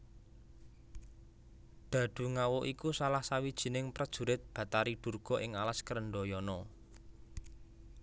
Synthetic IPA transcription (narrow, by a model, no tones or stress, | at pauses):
d̪̥ä̤d̪̥ṳŋawɔʔikusalahsawid̥ʒ̥i̤nɪŋpɾəd̥ʒ̥ṳɾɪt̪̚b̥ä̤t̪aɾiɖ̪̥ṳrɡ̥ɔ̤ʔɪŋalaskəɾəɳɖɔjɔnɔ